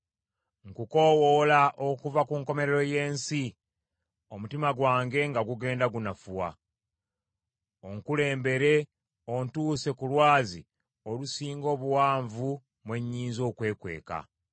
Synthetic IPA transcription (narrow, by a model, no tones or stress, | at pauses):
ŋkuko̞wolaʔokuvakuŋko̞me̞ɾeɾo̞je̞ːnsi | o̞mutimaɡwaːŋɡe̞ŋɡaɡuɡe̞ːndaɡunafuwa | oŋkule̞ːmbe̞ɾe̞ | ontuːse̞kulwaːzḭ | olusiːŋɡo̞ːβuwaːɱvu | mwe̞ɲːiːnzo̞ːkwe̞ːkwe̞̰ːka̰